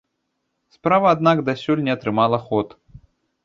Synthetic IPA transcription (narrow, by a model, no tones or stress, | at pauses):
spɾavɐːd̪nakd̪asʲɔlʲnʲɛɐt̪ɾɨmalˠɐxɔt̪